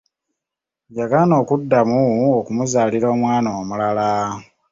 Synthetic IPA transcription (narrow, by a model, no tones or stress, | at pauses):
jaɡano̞ːkudːamuokumuzaːliɾo̞ːmwaːnoːmulala